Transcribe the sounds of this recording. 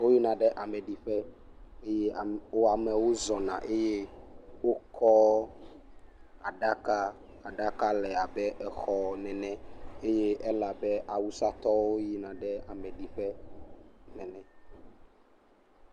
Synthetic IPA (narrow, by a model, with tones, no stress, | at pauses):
wo˦ji˦nã˨ɖɛ˦ʔa˨mɛ̃˨ɖi˨ɸɛ˦e˦je˦˨wo˦a˨mɛ̃˨wo˦zɔ˨nã̰˨ʔe˦je˦wo˦kʰɔ˦ | a˨ɖa˦ka˦ | a˨ɖa˦ka˦lɛ˨a˨bɛ˦ʔɛ˨xɔ˦nɛ̃˨nɛ̃˦e˦je˦ɛ˦la˨bɛ˦ʔa˨wu˦sa˦t̪ɔ˦wo˦ji˦nã˨ɖɛ˦a˨mɛ̃˨ɖi˨ɸɛ˦ | nɛ̃˨nɛ̃˨